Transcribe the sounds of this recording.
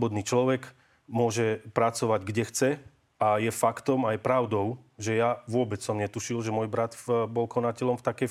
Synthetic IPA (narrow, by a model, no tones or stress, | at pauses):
bɔd̪niːt͡ʃlɔʋɛk | mʊɔʒɛpɾat͡sɔʋaɟɡɟɛxt͡sɛ | ajɛfakt̪ɔmajpɾaʊd̪ɔʊʒɛjaʋʊɔbɛt͡ssɔmɲɛt̪uʃilʒɛmʊɔjbɾat̪bɔlkɔnacɛlɔmft̪akɛ